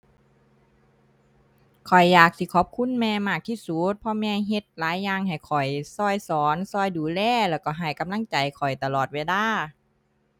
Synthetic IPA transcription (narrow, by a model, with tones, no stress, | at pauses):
kʰɔ˨˩jːaː˨˩k̚sʰiː˧˩kʰɔ˧˦p̚kʰu˧˥˨nmɛː˧maː˧˩k̚t̪ʰiː˧˥˩su˨˦t̪̚pʰɔ˧˥mɛː˧ɦe˧˦t̪̚laː˨˦jːaː˧ŋɦa˨˩jkʰɔ˨˩jsɔː˧˩jsɔː˨˦nsɔː˧˩jduː˨˦lɛː˧˨lɛː˧˩wkɔː˧˩ɦa˨˩jka˨˦mla˧˥˨ŋt͡ɕa˨˩jkʰɔ˨˩jt̪a˧lɔː˨˩t̪̚weː˧˩laː˧˩˨